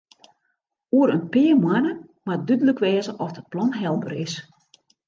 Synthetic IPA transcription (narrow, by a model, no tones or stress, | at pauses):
uəɾənpɪːəmwanə | madydələkʋɛːzəʔɔsdət̚plɔnɦɛlˠbə̰rɪs